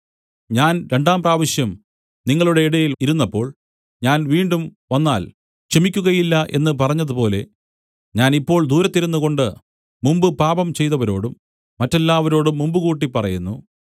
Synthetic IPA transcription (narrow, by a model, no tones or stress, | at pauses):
ɲaːnɾe̞ɳɖaːmbraːʋɐɕjɐm | niŋːɐɭuɽe̞iɽɐjiliɾunːɐpːo̞ːɭ | ɲaːnʋiːɳɖumʋɐnːaːl | kʂemikʲːuɣɐjilːɐʔe̞̰nːɨpɐrɐɲːɐðupo̞ːle̞̰ | ɲaːnipːo̞ːɭd̪uːɾɐt̪ːiɾunːuɣo̞ɳɖɨ | mumbɨpaːbɐmt͡ɕe̞jt̪ɐʋɐɾo̞ːɽumː | ɐtːɐlːaːʋɐɾo̞ːɽumːumbɨkuːʈ̬ːipːɐrɐjunːu